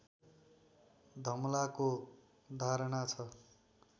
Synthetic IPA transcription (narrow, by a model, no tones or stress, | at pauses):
d̪ʱʌmlako | d̪ʱaɾʌnat͡sʰʌ